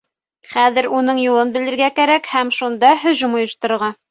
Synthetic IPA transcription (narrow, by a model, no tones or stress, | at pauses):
χæðɘ̆ɾunɤɴjulˠɤnbɘ̆lɘ̆ɾɡækæɾækhæmʃund̪ɑɦɵ̆ʒɤmŏjɤ̆ʃt̪ɤ̆ɾɤ̆ɾʁɑ